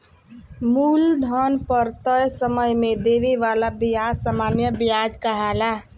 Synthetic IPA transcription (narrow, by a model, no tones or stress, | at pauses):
muld̪ʱənpəɾt̪əjsəməjmed̪eʋiʋalabijasamanjəbijad͡ʒkəɦala